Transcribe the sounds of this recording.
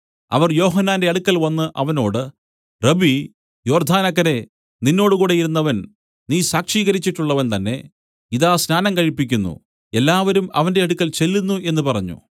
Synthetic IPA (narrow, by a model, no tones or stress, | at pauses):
ɐ̰ʋɐrjo̞ːɦɐnːaːnde̞ɐɽukːɐlʋɐnːɨʔɐʋɐno̞ːɽɨ | rɐbi | jo̞ːrd̪ʱaːnɐk̬ːɐne̞ | ninːo̞ːɽɨkuːɽe̞jiɾunːɐʋɐn | niːsaːkʂiːɣɐɾit͡ɕːiʈːuɭːɐʋɐnt̪ɐnːe̞ | iðaːsnaːnɐmkɐɻipːik̬ʲːunːṵ | elːaːʋɐɾumɐ̰ʋɐnde̞ɐɽukːɐlt͡ɕe̞lːunːue̞nːɨpɐrɐɲːṵ